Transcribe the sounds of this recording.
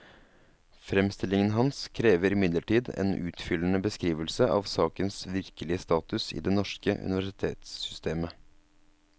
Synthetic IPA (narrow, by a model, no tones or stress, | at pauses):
fɾɛmst̪ɪlɪŋənɦɑnskʰɾeːʋəɾɪmɪd̪ləʈiːd̪ḛːnʔʉ̰ːt̪fʏlənəbəskɾiːʋəlsəʔɑ̰ʋsɑːkənsʋɪɾkəlɪəst̪ɑːt̪ʉsɪ̰ːd̪ɛnɔʂkə̰ʔʉ̰nɪʋæʂɪt̪ʰeːt̪sːʏst̪ʰeːmə